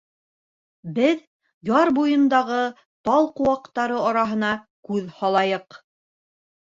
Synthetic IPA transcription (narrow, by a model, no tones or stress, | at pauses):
bɘð | jɑɾbujɤ̆nd̪ɑʁɤ | t̪ɑlˠqŏwɑqt̪ɑɾɤɑɾɑɦɤ̆nɑ | kʉðhɑlˠɑjɤq